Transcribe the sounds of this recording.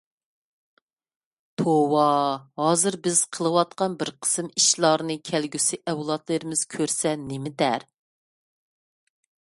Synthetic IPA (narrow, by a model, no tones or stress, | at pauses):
t̪ʰowɑhɑːzɨɾbɪz̥qʰəlˠɨwɑt̪̚qɑnbɪɾqʰə̥sɨmiʃlˠɑɾnɨkʲʰælɡʲysɪʔɛwlˠɑt̪lˠɨɾɪmɪz̥kʲʰøɾsɛnɪmɪd̪æɾ